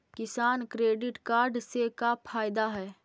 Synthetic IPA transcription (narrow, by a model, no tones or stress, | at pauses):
kɪsaːnkɾeːɖɪʈkaːɾɖsekapʰaːɪd̪aɦɛː